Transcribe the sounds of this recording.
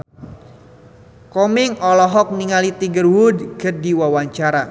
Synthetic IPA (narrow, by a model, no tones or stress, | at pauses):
kɔmɪŋɔlɔɦɔk̚niŋalit̪iŋɡərwudɡərdiwawaɲt͡ʃaɾa